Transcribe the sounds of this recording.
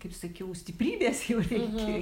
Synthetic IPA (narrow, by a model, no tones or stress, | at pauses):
kɐɪpsɐkʲɛʊsʲt̪ʲɪpʲrʲiːbʲeːsjɛʊrʲɛɪkʲe